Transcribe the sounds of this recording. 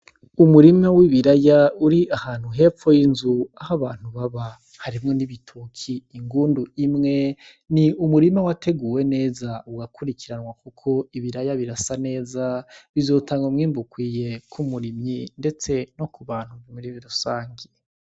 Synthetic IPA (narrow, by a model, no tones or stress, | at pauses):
umuɾimawiβiɾajauɾiahaːn̥huɦe̞ːfo̞jinzuahaβaːn̥huβaβa | haɾimŋo̞niβitʰukʰiːŋɡuːnduimŋe̞ | niumuɾimawatʰe̞ɡuːwe̞ne̞ːzauɡakʰuɾikʰiɾanwakukʰo̞iβiɾajaβiɾasane̞ːzaβizo̞ːtʰaːŋɡomŋiːmbukwiːje̞kʰumuɾimjinde̞t͡se̞no̞kuβaːn̥huβimiɾiβiɾusaːŋɡi